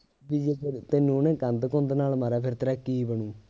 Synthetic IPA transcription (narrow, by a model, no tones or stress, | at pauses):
bid͡ʒepet̪enũːnẽːkənd̪kõːnd̪eːnaːlmaɾaːpʰɪɾt̪əɾakːiːbəɳũː